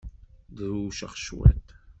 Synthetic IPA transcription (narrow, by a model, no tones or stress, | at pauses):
ðuʃə̰χʃwæ̰t̪